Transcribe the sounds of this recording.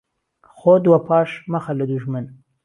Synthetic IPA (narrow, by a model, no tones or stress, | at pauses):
xod̪wapʰɑːʃmaxalad̪uʒman